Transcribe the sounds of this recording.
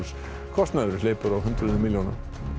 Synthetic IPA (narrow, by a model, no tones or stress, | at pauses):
s | kʰɔst̪naðʏɾɪleːjpʏɾawɦʏnt̪ɾʏðmɪljowna̰